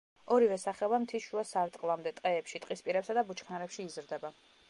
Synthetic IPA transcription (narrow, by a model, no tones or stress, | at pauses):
ɔɾivɛsaχɛɔbamt̪ʰiʃuasaɾt̪ʼqʼlˠamd̪ɛt̪ʼqʼɛːpʃit̪ʼqʼispʼiɾɛpsad̪abut͡ʃʰχnaɾɛpʃiːzɾd̪ɛba